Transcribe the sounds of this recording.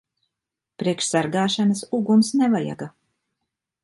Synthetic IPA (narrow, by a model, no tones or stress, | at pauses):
pɾiɛkʃsaɾɡaːʃanɐsuɡumsnɛvaja̰ɡa